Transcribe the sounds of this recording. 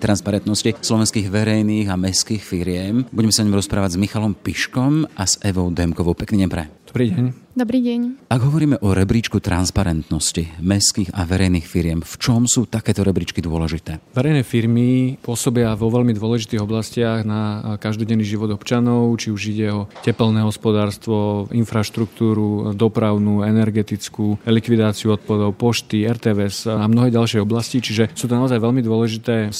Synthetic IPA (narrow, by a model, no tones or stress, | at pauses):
t̪ɾanspaɾɛnt̪nɔscislɔʋɛnskiːɣʋɛɾɛjniːɣamɛskiːxfiɾɪɛmbuɟɛmɛsaɲɔmɾɔspɾaːʋaɟzmixalɔmpiʃkɔmʔaz̥ɛʋɔʊd̪ɛmkɔʋɔʊpɛkniːɟɛmpɾɛ̰d̪ɔbɾiːɟɛɲ | d̪ɔbɾiːɟɛɲaɡɦɔʋɔɾiːmɛʔɔɾɛbɾiːt͡ʃkut̪ɾanspaɾɛnt̪nɔscimɛskiːɣaʋɛɾɛjniːxfiɾɪɛmft͡ʃɔmsuːt̪akɛːt̪ɔɾɛbɾit͡ʃkid̪ʊɔlɛʒit̪ɛːʋɛɾɛjnɛːfiɾmipʊɔsɔbɪaʋɔʋɛlmid̪ʊɔlɛʒit̪iːɣɔblascɪaɣnakaʒd̪ɔɟɛnːiːʒiʋɔd̪ɔpt͡ʃanɔʊt͡ʃiuʒiɟɛɔcɛpɛlnɛːɦɔspɔd̪aːɾst̪ʋɔinfɾaʃt̪ɾukt̪uːɾud̪ɔpɾaʊnuːɛnɛɾɡɛt̪it͡skuːlikʋid̪aːt͡siuɔt̪̚pad̪ɔʊpɔʃt̪iɛɾt̪ɛːʋɛzamnɔɦɛːɟalʃɪɛjɔblascit͡ʃiʒɛsuːt̪ɔnaɔzajʋɛlmid̪ʊɔlɛʒit̪ɛː